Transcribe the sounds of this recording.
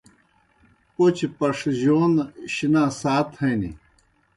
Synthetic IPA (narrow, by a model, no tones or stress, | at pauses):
pot͡ɕpɐʂʑoːnɕinaːsaːt̪hɐjnḭ